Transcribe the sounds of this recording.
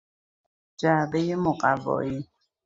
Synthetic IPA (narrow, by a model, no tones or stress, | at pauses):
d͡ʒabɛjɪmʊqʼavɔ̰i